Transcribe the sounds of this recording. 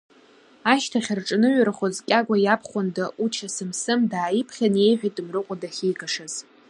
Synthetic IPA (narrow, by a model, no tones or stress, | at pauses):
aʃtʰaχʲarʈ͡ʂʼnɨɥrχozkʲʼaɡʷajapʰχʷʊndaʔut͡ʃʰasɨmsɨmdaːipʰχʲane̞jħʷᶣajtʼɨmrɨqʷʼadaχʲijɡaʂaz̥